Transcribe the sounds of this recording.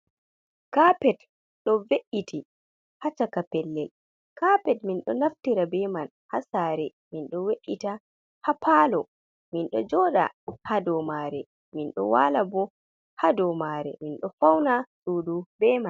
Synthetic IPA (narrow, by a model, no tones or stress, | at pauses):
kapɛt | ɗɔveʔiti | hat͡ʃakapɛlːɛl | kapɛtminɗɔnaftiɾabɛman | hasaːɾɛ | minɗɔweʔːita | hapʰalɔ | minɗɔd͡ʒɔɗa̰hadɔmaɾɛ̰ | minɗɔ̰waːlabɔ | hadɔmaɾɛ̰minɗɔfawnasuːdubɛman